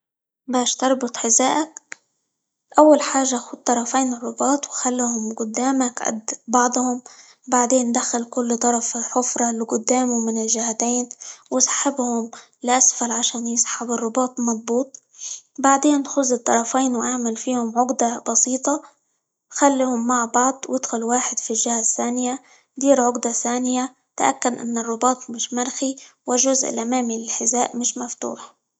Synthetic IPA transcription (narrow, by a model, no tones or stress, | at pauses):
baːʃt̪ɑɾˤbʊt̪ˤħɪzaːʔak̚ | ʔawːalħaːʒːaʔxuːd̪̚t̪ːˤɑɾˤɑfiːnɪrˤːʊbɑːt̪ˤwxalːuhʊmɡʊd̪ːaːmakʔa̰d̪bɑʕd̪ˤhʊm | baʕd̪eːnd̪axalkʊlːt̪ˤɑɾˤɑfħʊfɾˤɑlɡʊd̪ːaːmumɪnɪlʒɪhat̪eːnwɪsˤħɪbhʊm | lɪʔasfalʕaʃaːnjɪsˤħɪbɪrˤːʊbɑːt̪ˤmɑd̪ˤbuːt̪̚ˤ | baʕd̪eːnːxʊzːɨt̪ˤːɑɾˤɑfiːnwʔaʕmalfiːhʊmʕʊɡd̪abɑsiːt̪ˤɑ | xalːihʊmːaʕbɑʕd̪ˤwʔɪd̪xʊlwaːħɪd̪filʒɪhaθːaːnɪja | d̪iːɾʕʊɡd̪aθaːnɪja | t̪aʔa̰kːad̪ʔɪ̰nːɪrˤːʊbɑːt̪ˤmɪʃmaɾxiwɪʒʊzʔɪ̰lʔamaːmilɪlħɪzaːʔmɪʃmaft̪ṵːħ